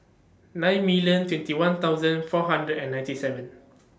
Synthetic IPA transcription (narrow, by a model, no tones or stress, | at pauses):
nãj̃nmiljə̃ntwɛ̃ntiwãnt̪aʊzə̃nfɔɦãndɹədɛ̃nːãj̃ntisɛvə̃n